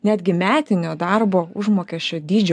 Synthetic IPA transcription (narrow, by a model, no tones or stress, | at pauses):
nʲæːd̪ʲɡʲɪmʲæːt̪ʲɪnʲoːd̪ɑɾboːʊʒmoːkʲɛsʃʲt͡ʃʲoːd̪ʲiːd͡ʒʲɛ